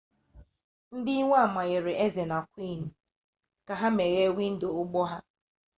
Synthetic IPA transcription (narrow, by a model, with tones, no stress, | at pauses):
n̩˦dɪ˦i˦ŋʷa˦a˨ma˨ɣe˨ɾɪ˨ʔe˦ze˨na˨kʷi˦˨n̩˨ | ka˨ɦa˦me˨ɣe˦wi˦n̩˦do˨ʊ˦ɡ͡bɔ˦ɦa˦